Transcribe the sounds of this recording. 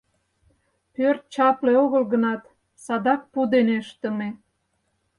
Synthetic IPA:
pørt̪̚t͡ɕɑpleoɣəlɣənɑt̪ | sɑd̪ɑk̚pud̪eneəʃt̪ə̆me

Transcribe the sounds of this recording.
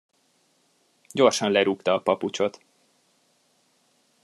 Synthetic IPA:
ɟo̞rʃɒnlɛɾukt̪ɒːpɒput͡ʃo̞t̪

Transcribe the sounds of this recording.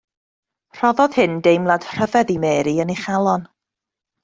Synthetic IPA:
r̥ɔðɔð̥hɨndejmlˠad̥r̥əvɛðimɛːɾiənejχalˠɔn

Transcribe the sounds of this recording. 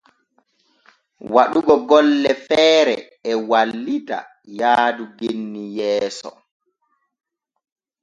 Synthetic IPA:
waɗuɡɔɡɔlːɛfɛːɾɛ | ɛwalːita̰ | jaːduɡenːijɛːsɔ̰

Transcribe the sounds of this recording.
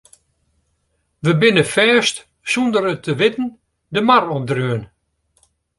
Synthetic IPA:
ʋəbɪnəfɛːst | sɔndəɾətʰəʋɪtn̩ | dəmarɔp̚dryən

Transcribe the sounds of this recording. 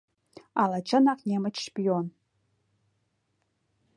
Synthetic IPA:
alat͡ʃʰɐnaqnʲemɐt͡ʃʰʂpijon

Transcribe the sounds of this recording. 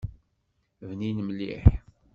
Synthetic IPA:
vninəmlːḭħ

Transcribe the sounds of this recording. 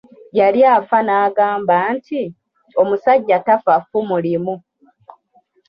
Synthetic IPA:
jaljaːfanaːɡaːmbaːntʰi | o̞musaɟːatafafumulimu

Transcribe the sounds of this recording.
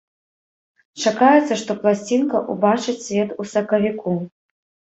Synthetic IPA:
t͡ʂakajɛt̪sːɐʂt̪ɔplˠasʲt͡sʲinkɐʔubat͡ʂɨt͡sʲsʲvʲɛt̪usɐkɐvʲikʰu

